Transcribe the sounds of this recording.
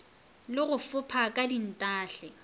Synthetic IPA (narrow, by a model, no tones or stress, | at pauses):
lɪɣʊfʊpʰakʼadin̩tʼaːɬɛ